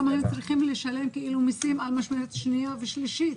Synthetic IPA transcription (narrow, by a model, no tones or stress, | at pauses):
amahemt͡sʁiχimleʃale̞mkeʔilumisimalmaʃmelet̪ʃnijoveʃliʃit̪